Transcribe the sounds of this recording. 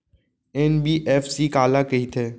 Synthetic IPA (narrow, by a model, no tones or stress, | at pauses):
ɛnbiːʔɛːfsiːkaːlaːkəɦiːt̪ʰeː